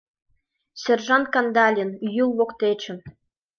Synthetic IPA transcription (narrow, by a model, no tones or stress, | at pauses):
sʲerʐɑnt̪̚kɑnd̪ɑlʲinyjulˠwoqt̪ʲet͡ɕɘ̆n